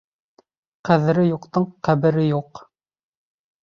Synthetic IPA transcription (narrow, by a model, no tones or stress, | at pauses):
qæðɘ̆ɾɘjuqt̪ɤɴqæβɘ̆ɾɘjuq